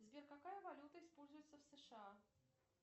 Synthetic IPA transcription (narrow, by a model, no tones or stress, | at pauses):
zʲbʲerkakajəvalʲut̪əispolʲzʊjɪt̪səfsəʂɨa